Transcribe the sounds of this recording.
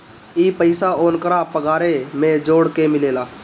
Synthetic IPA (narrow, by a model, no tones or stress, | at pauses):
iːpəɪsaoːnkəɾapəɡaːɾemẽd͡ʒoːɽkemɪleːlaː